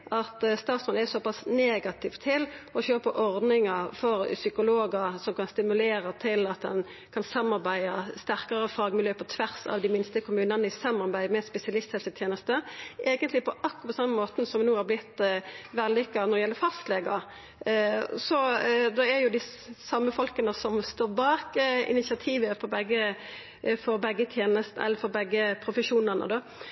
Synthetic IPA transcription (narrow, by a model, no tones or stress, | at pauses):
ʔɑt̪st̪ɑːt̪sɔnɛsɔpɑsneːɡɑt̪ʰɪft̪ʰɪlɔçøːpəʔɔʁd̪nɪŋəɾfɔɾsʏkʊloːɡəɾsɔmkɑnst̪ɪmʉleːɾət̪ʰɪlɑt̪̚d̪ɛ̰n | kʰɑnsɑmːɑɾbæɪɑst̪æʁkɑɾəfɑːɡmɪljøːpʰɔt̪ʰʋæʁsɑ̰ʋd̪ɪmɪnst̪əkʰʊmʉːnɑnəɪsɑmɑɾbæɪmɛspɛsɪɑlɪst̪hɛlsət̪ʰjeːnəst̪əʔeːɡənt̪lɪpʰɔʔɑkːpɔsɑmːəmoːt̪n̩sɔmʋnuːhɑɾblɪt̪ːʋælːɪkːɑnɔd̪ɛjɛlːəɾfɑst̪leːɡɑ | sɔd̪ɔæɾjʊd̪ɪ | sɑmːəfɔlkənəsɔmst̪oːʁbɑːkəɪ̰nɪsɪɑt̪ʰiːʋəpʰɔbɛɡːə | fɔɾbɛɡːət̪ʰjeːnəst̪n̩ʔɛ̰lːəɾfɔɾbɛɡːəpʰɾʊfəʂuːnəʁnə̰d̪ɔ